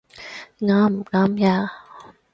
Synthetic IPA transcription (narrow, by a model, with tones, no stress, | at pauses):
ŋa˨˦˥m̩˨˩ŋa˧˦˥mja˧